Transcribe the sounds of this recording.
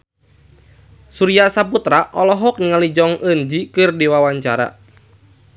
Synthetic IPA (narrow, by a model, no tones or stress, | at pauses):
suɾiasaput̪ɾaʔɔlɔɦɔk̚niŋalid͡ʒɔŋənd͡ʒikɨrdiwawaɲt͡ʃaɾa̰